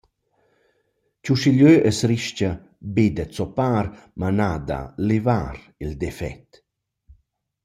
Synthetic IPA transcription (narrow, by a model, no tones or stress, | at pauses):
cuʃiʎøʔəsɾiʃca | bed̪ət͡sɔpaːɾmanaːd̪a̰levaːɾ | ild̪ɛfɛ̰t̪